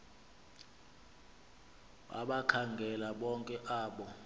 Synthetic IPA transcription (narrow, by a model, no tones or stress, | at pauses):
a̰ɓakʰaŋɡʱɛlaɓɔŋkʼɛʔaːɓɔ